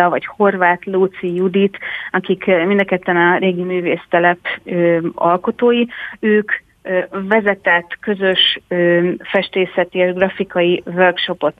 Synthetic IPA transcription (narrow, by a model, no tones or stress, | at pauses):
ɒvɒcho̞rvaːt̪lut̪sijud̪it̪ɒkikmind̪ɒkɛt̪ːɛnɒɾeːɡimyːveːst̪ɛlɛpøɒ̰lko̞t̪oːjiøːkː | vɛzɛt̪ɛt̪ːkø̞zø̞ʃøfɛʃt̪eːsɛt̪ieʒɡrɒfikɒjivørkʃo̞po̞t̪